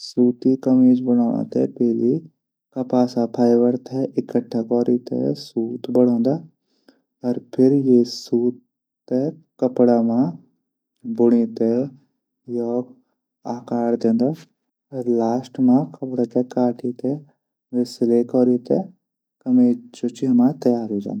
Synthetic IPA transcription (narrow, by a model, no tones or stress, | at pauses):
suːt̪ikɐmeːd͡ʒbəɽ̃aːã̰t̪ɛ̰pɛːli | kɐpaːsapʰaːjʋəɾt̪ʰɛʔɪkəʈʰːakɔːɾit̪ʰḛsuːt̪bəɽ̃ɔ̃ːnd̪aː | ɔɾpʰɪɾjesuːt̪ː | ekəpɽamã | bʊɽ̃it̪e | jɔːɡ | aːkaːɾd̪ẽːnd̪aː | ɐɾlaːsʈmãkɐpɽat̪ekaːʈʰit̪ʰe | ʋeslekɔːɾit̪e | kɐmeːd͡ʒoːt͡ʃiɦɐmaːt̪ɐjaːɾɦeːd͡ʒa̰ːnd̪a